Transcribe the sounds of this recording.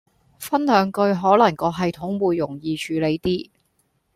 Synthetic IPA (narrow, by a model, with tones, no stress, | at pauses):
fɐ˥nhœː˨˥ŋkɵ˧ɥɦɔː˨˥lɐ˨˩ŋkɔː˧ɦɐ˨jt̪ʰʊ˨˥ŋwuː˨˧jːʊ˨˩ŋjiː˨˧t͡ʃʰyː˨˧le˨˧jt̪iː˥